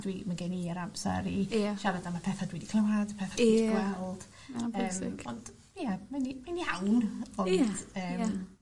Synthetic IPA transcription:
dwimaɡeniəɾamsɛ̰ɾiaʃavadamapʰɛθadwɛdikʰlˠɛwadəpʰɛθadɛdɡwɛlˠd̥ | aːmmɪ̰ɔnd̥ | jamanimanihawnɔnd̥əːm

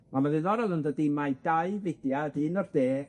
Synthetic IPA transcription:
mamaðɨðɔɾɔlˠəndədimajdajvedjadinɔrd̥eː

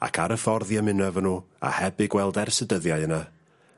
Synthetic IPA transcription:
a̰kʰaɾəfɔrðjamɪnəvənuːa̰hɛbɨɡwɛlˠdɛrsədəðjaɨəna

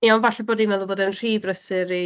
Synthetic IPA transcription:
jɔnvaɬɛboːdimɛlˠʊboːdənr̥iːbrəsɪɾi

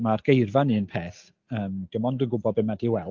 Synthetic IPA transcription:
marɡ̥ejrvanɨənpʰeːθ | əːmɡ̥əmɔndəŋɡʊbɔbɪmadiwɛl

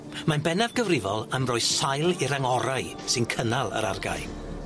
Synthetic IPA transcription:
manbɛnavɡəvrɪvɔlˠəmrɔɨðsajlˠiɾaŋɔɾaɨ | sɪnkʰənalˠə̰ɾa̰rɡa̰ɨ

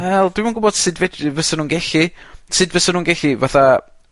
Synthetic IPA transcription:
ɛlˠd̥wɪmənɡʊbɔd̥sɨdvɛdvəsənuːnɡɛɬisɨdvəsənuːnɡɛɬivaθa

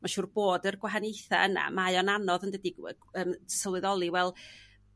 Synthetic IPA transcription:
maʃuːrb̥oːdərɡwaɦanejθaəna̰majɔnanɔðəndədiə̰ | əːmʰəsəlˠɨðɔlˠiwɛlˠ

